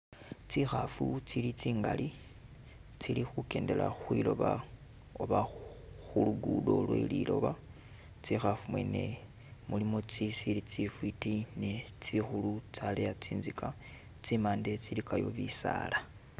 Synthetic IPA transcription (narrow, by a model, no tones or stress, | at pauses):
t͡sixafut͡silit͡siːŋɡali | t͡silixuke̞ːnde̞laxwilo̞βa | oβaxuluɡudo̞lwḛlilo̞βa | t͡sixafumwe̞ne̞ | mulimo̞t͡sisilit͡sifwitinet͡sixulut͡salejat͡siːnzika | t͡simaːndet͡silikajo̞̰βisa̰ːla